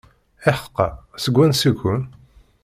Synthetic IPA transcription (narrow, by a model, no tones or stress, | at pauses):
ɪħə̥qːɑ̰səɡʷːænsikʷːʊn